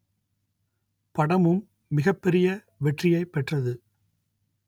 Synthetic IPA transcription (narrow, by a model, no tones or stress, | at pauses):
pɐɽɐmɯmː | ɪɣɐpːɛɾɪjɐ | ʋɛʈrɪjɐɪpːɛʈrɐðɯ